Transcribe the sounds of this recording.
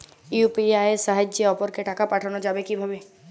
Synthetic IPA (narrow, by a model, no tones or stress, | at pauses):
iupiaesaɦəd͡ʒd͡ʒeɔːpɔɾkeʈaːkapaːʈʰanod͡ʒaːbekibʱabe